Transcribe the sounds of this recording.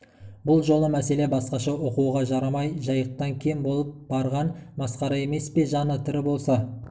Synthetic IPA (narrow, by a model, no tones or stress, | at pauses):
bʊlˠʒo̞lˠəmæse̞le̞bɑsqɑʃɑwoquwʁɑʒɑɾɑmɑjʒɑjəq̚t̪ɑŋkʲʰejɪmbo̞lˠəp̚bɑɾʁɑnmɑsqɑɾɑe̞me̞spe̞ʒɑnət̪ʰʏɾɪbo̞lˠsɑ